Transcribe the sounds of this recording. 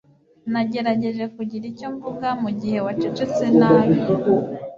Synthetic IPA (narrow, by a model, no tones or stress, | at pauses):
naɟe̞ɾaɟe̞ʒe̞kuɟiɾicoɱvuɡamuɟihe̞wat͡ʃit͡ʃet͡senajo